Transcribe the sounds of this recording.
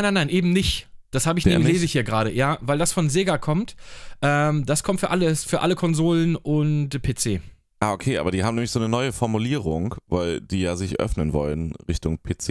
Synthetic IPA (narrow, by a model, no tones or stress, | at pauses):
aɪnaɪnaɪnʔeːbm̩nɪçd̥ashaːbəɪçnemleːzəɪçhiːɐɡʁaːɾəjaːvaɪldasfɔnzeːɡakʰɔmtʔɛːmd̥askʰɔmtfyːɐʔaləsfyːɐʔa̰ləkʰɔnzoːlənʔʊntpʰeːt͡seː | ʔaːʔokʰeːʔaːbɐdiːhaːmnɛːmlɪçz̥oːnənɔʏəfɔɐmuliːʁʊŋva̰ɪld̥iːjaːzɪçʔœ̰fnənvɔ̰lənʁɪçtʊŋpʰeːt͡seː